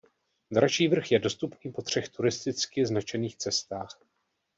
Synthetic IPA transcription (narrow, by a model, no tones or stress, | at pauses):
d̪ɾaʃiːvr̩xjɛdo̞st̪upniːpo̞t̪r̝̥ɛxt̪uɾɪst̪ɪt͡skɪznat͡ʃɛniːxt͡sɛst̪aːx